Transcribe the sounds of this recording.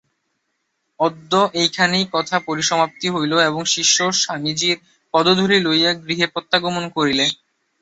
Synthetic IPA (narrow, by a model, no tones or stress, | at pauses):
ɔd̪ːoʔejkʰanejkɔt̪ʰapoɾiʃɔmap̚t̪iɦojloeboŋʃiʃːoʃamid͡ʑiɾ | pɔd̪od̪ʱoɾilojaɡɾiɦepɔt̪ːaɡomonkoɾile